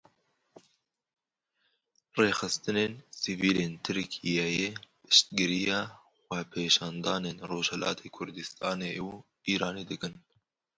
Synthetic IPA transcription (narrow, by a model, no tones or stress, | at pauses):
reːxɨst̪ɨneːnsiviːleːnt̪ʰɨɾkʰijejeːpɨ̥ʃt̪̚ɡɨɾijɑː | xʷwɛpʰeːʃɑːnd̪ɑːneːnroːʒhɛlʔɑ̰ːt̪ʰeːkʰʊɾd̪ɨst̪ʰɑːneː | iːɾɑːneːd̪ɨkɨn